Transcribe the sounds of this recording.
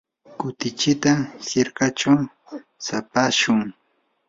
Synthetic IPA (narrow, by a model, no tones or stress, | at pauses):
kʊt̪ɪt͡ʃɪt̪ahɪɾkat͡ʃaw | sapaʃʊŋ